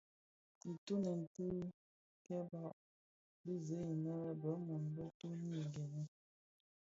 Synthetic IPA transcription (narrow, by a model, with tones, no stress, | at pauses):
i˨tu˦nə˨n̩˨ti˦ | kɛ˦ba˦˨ʔ | bi˦ze˨˦i˨nə˦ɾɛ˦bə˨˦mɔ˨n˨bə˦tu˦n˦i˨ɡe˨ni˦